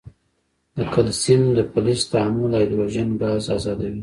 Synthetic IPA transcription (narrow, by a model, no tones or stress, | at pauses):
d̪əkalsimd̪əpʊlist̪aamʊlajd̪ɾaʒanɡɑzɑzɑd̪awi